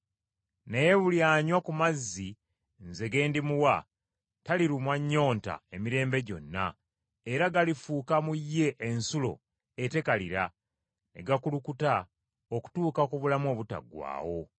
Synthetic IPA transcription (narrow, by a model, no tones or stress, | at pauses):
neje̞βuljaːɲwakumazːi | nze̞ɡe̞ːndimuwa | taliɾumwaɲːo̞ːnta̰e̞miɾe̞ːmbe̞ɟo̞nːa̰ | eɾaɡalifuːkamujːe̞ʔːnsulo̞̰ | ete̞kaliɾa | ne̞̰ɡakulukuta | oku̥tuːkakuβulamwo̞ːβuta̰ɡwa̰ːwo̞